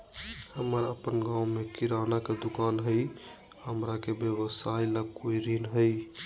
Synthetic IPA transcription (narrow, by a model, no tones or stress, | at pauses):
həməɾəpənɡãwmekiɾanaked̪ukanɦəj | həmɾakebjeβəsajlakoiɾinɦəj